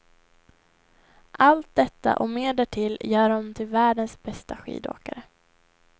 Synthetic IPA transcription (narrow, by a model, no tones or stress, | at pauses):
ʔalt̪̚d̪ɛt̪ːa̰ʔɔmeːd̪æʈʰɪljœːɾɔmt̪ʰɪlvæːɖənsbɛst̪aɧḭːd̪o̰ːkaɾə